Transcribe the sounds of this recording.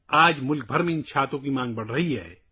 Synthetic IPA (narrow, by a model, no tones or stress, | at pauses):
aːd͡ʒmʊlk̚bʱɐɾmẽɪ̃nt͡ʃʰaːt̪õk̬imãːŋɡ̚bɐɽ̤ɾɐɦiɦɛ̰ː